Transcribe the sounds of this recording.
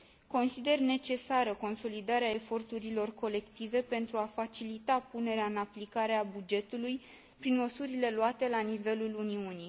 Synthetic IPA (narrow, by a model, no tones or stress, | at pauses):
ko̞nsid̪e̞rne̞t͡ʃe̞saɾəko̞nso̞lid̪aɾeae̞fo̞rt̪uɾilo̞rko̞le̞kt̪ive̞pe̞nt̪ɾuafat͡ʃilit̪apune̞ɾeaɨnaplikaɾeabud͡ʒe̞t̪uluj | pɾinməsuɾile̞luat̪e̞lanive̞luluniuni